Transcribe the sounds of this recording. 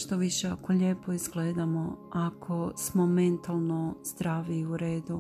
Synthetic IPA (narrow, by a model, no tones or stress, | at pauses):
ʃt̪oʋiʃeakoʎeːpo̞izɡleːd̪amoakʰo̞smo̞me̞nt̪alˠnozd̪ɾaːʋiuɾeːd̪u